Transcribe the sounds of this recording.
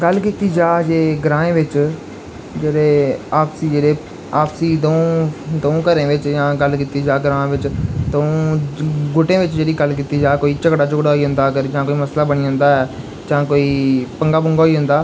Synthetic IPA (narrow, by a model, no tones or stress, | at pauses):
ɡəlkiːt̪iːd͡ʒaːd͡ʒeːɡɾãːẽːʋɪt͡ʃ | d͡ʒeːɽeːaːpsiːd͡ʒeːɽeː | aːpsiːd̪õd̪oũːkəɾẽːʋɪt͡ʃjãːɡəlkiːt̪iːd͡ʒaːɡɾãːẽːʋɪt͡ʃt̪əũː | ɡʊʈẽːʋɪt͡ʃd͡ʒeːɽiːɡəlkiːt̪iːd͡ʒaːkoːiːt͡ʃəkɽaːt͡ʃʊkɽaːɦoiːɦʊ̃nd̪aːəɡəɾd͡ʒãːkoːiːməslaːbəɽ̃iːʊ̃nd̪aːɛː | d͡ʒãːkoːiːpəŋɡaːbʊŋɡoːiːɦʊ̃nd̪aː